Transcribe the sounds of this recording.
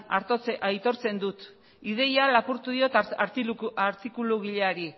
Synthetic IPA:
aɾajt̪o̞ɾt͡se̞nd̪ut̪ | ið̞e̞jalapuɾt̪uðio̞t̪ɾaɾt̪ikuluɣiʎeaɾi

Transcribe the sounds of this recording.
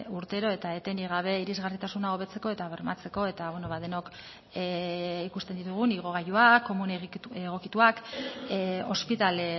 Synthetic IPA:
uɾt̪e̞ɾo̞e̞t̪ae̞t̪e̞niɣ̞aβ̞e̞iɾizɣarit̪asunao̞β̞e̞t͡se̞ko̞e̞t̪aβeɾmat͡se̞ko̞e̞t̪aβenoβað̞e̞no̞k | ikust̪end̪it̪uɣ̞uniɣ̞o̞ɣ̞ajuakːo̞muneɣeɣ̞o̞kit̪uak | o̞spit̪ale

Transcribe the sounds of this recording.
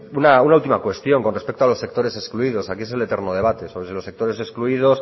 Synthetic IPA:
unaunault̪imakwe̞st̪jo̞ŋko̞nrespekt̪oalo̞sːe̞k̚t̪o̞ɾe̞seskluiðo̞sakie̞s̬e̞le̞t̪e̞ɾnoð̞e̞β̞at̪e̞soβɾesilose̞k̚t̪o̞ɾe̞seskluið̞os

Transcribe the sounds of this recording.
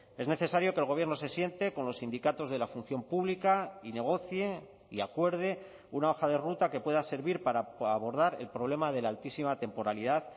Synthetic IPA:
e̞zne̞θe̞saɾjo̞kelɣ̞o̞β̞je̞ɾnose̞sje̞nt̪e̞ko̞nlo̞sːind̪ikat̪o̞zðe̞lafun̟θjo̞mpuβlikaine̞ɣ̞o̞θje | iakwe̞ɾðe̞ | unao̞xaðe̞rut̪ake̞pwe̞ðase̞ɾβiɾpaɾaaβo̞ɾðaɾe̞lpɾo̞β̞le̞maðe̞lalt̪isimat̪e̞mpo̞ɾaliðaθ

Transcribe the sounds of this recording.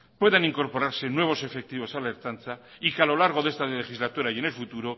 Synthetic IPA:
pwe̞ðaniŋko̞ɾpo̞ɾaɾse̞nwe̞β̞o̞se̞fe̞k̚t̪iβosale̞ɾt̪anθa | ikealo̞laɾɣ̞o̞ðe̞st̪alexizlat̪uɾaje̞ne̞lfut̪uɾo̞

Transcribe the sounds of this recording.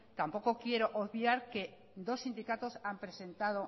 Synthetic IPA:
t̪ampokokjeɾoʔoðβiaɾke | d̪osːind̪ikat̪osampɾesẽnt̪að̞o

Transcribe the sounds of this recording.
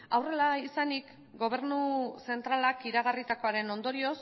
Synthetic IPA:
awre̞laisanik | ɡo̞β̞e̞ɾnuse̞nt̪ɾalakiɾaɣ̞arit̪ako̞aɾe̞no̞nd̪o̞ɾio̞s

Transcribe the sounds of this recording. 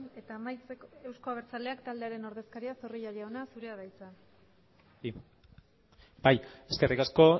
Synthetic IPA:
ne̞t̪aːmajt͡seke̞wsko̞aβ̞e̞ɾt͡sald̪e̞akt̪ald̪e̞aɾe̞no̞ɾðe̞skaɾiasoriʎaʎaonasuɾe̞aðajt͡sa | bajeske̞rʔikasko̞

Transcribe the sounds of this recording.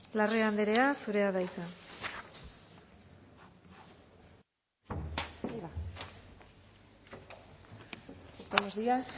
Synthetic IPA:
lareand̪eɾe̞asuɾe̞aðajsa | benozðias

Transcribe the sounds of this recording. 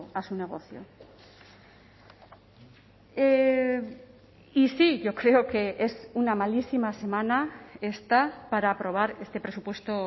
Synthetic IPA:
asune̞ɣ̞o̞θjo̰ | e | isiʝo̞kɾe̞oke̞esunamalisimase̞mãnae̞st̪apaɾaːpɾo̞β̞aɾe̞st̪e̞pɾe̞supwe̞st̪o̞

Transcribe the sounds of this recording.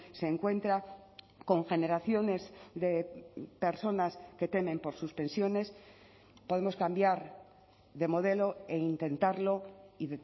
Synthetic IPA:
se̞ːŋkwe̞nt̪ɾa | ko̞ŋxe̞ne̞ɾaθjo̞ne̞sðe̞pe̞ɾso̞naske̞t̪e̞mẽ̞mpo̞ɾsuspe̞nsjo̞ne̞s | po̞ð̞e̞mo̞skambjaɾ | ðe̞mo̞ð̞e̞lo̞eint̪ẽ̞nt̪aɾlo̞iðe

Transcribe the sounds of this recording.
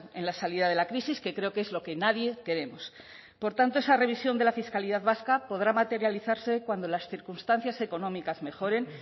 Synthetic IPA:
e̞̰nlasaliðað̞e̞lakɾisiske̞kɾe̞okezlo̞ke̞naðje̞ke̞ɾe̞mos | po̞ɾt̪ant̪oesare̞βisjo̞nd̪e̞lafiskaliðaðβaskapo̞ð̞ɾamat̪e̞ɾjaliθaɾse̞kwand̪o̞lasθiɾkunst̪an̟θjase̞ko̞nõ̞mikazme̞xo̞ɾe̞n

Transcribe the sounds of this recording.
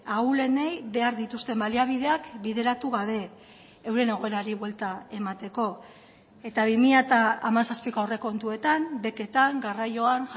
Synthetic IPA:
aule̞ne̞jβe̞aɾðit̪ust̪e̞mbaliaβ̞ið̞e̞akbiðe̞ɾat̪uɣaβ̞e̞ː | wɾe̞ne̞ɣ̞o̞e̞ɾaɾiβwe̞lt̪ae̞mat̪e̞ko̞ | e̞t̪aβimiʎat̪aːmansaspikoaowre̞ko̞nt̪ue̞t̪ambe̞ke̞t̪aŋɡarajo̞an

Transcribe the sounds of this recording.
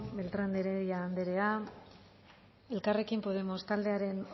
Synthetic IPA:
be̞lt̪ɾand̪eɾeðiaːnd̪e̞ɾe̞a | e̞lkare̞kimpo̞ðe̞mo̞st̪ald̪e̞aɾe̞n

